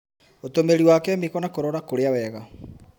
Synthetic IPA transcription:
otomeɾiwaːkɛmikɔnakoɾɔɾakoɾeawɛɣa

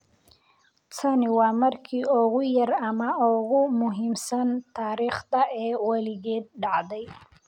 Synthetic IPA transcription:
t͡sʰɐnɪwɑːmɐrkʰiːɔːɣʊjɐrɐmɐɔːɣʊmʊɦiːmsɐnt̪ʰaːɾiːχd̪ɐʔɛːwɑlɪɣɛːd̪̚ɖɑʕd̪ɛj

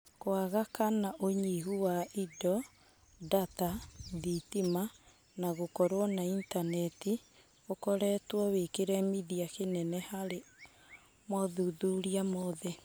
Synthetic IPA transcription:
koaɣakanaʔoɲiɦuwaidɔ | dataðitima | naɣokɔɾwɔnaintanɛti | okɔɾɛːtwɔwekeɾɛmiðiakenɛnɛhaɾe | mɔðuðuɾiamɔðɛ

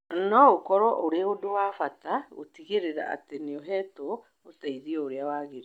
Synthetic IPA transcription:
nɔokɔɾɔʔoɾeodowaːfatao̰tiɣeɾeɾa̰a̰teneoɦɛto | otaiðiɔoɾeawaːɣeɾi

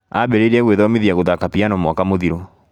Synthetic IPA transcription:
abɛɾeɾɛɣweðɔmeðjaɣoðakapianɔmwɔkamoðiɾo

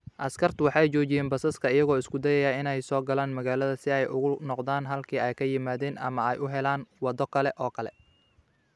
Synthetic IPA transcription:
ʔɐskʰɐrt̪ʰʊwɑħɑjt͡ʃɔːt͡ʃɪjɛːnbɐsɐskʰɐɪjɐɣɔːɪskʰʊd̪ɛjɛjaːɪnɛjsɔːɡɐlaːnmɐɣaːlɐðɐsɪɛjʔʊɣʊnɔqd̪aːnɦɐlkʰiːɛjkʰɐjɪmaːðɛːnʔɐ̰mɐɛjʔʊɦɛlaːnwɑd̪ɔkʰɐlɛʔɔːkʰɐlɛ̰

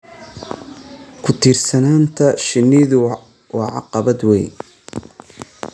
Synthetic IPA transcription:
kʰʊt̪ʰiːrsɐnaːnt̪ʰɐʃɪnːɪðʊ | wɑːʕɑ̰qɑβɐd̪wɛj

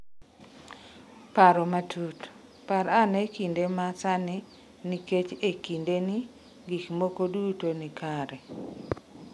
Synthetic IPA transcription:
paɾɔmatʰut | paɾanɛkindemasanɪ | niket͡ʃekindeni | ɡikmokodutonikaɾɛ

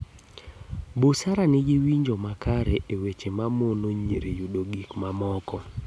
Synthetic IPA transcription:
bosaɾanɪɡɪwiɲd͡ʒomakaɾeʔewet͡ʃemamonoɲeɾejudoɡikmamɔkɔ

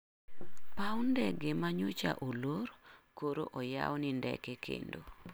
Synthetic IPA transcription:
pawndɛɡemaɲot͡ʃa̰ʔoloɾkoɾo̰ʔɔja̰wɔnɪndɛ̰kekʰḛndo

